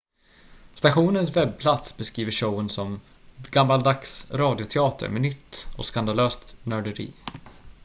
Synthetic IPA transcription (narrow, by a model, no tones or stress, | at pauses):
st̪aɧuːnəns̬vɛb̚pʰlat̪sbɛskɾiːvəʂəwənsɔm | ɡamːald̪aksɾɑːd̪ɪʊt̪ʰɛɑːt̪ʰə̰ɾmɛnʏt̪ːɔ̰skand̪aløːst̪nœɖəɾḭː